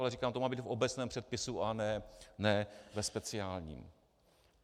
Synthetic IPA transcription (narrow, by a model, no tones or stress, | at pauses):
lɛriːkaːmt̪omaːbiːt̪fo̞bɛt͡snɛːmpr̝̥ɛt̪̚pɪsuʔanɛːnɛvɛspɛt͡sɪaːlɲḭːm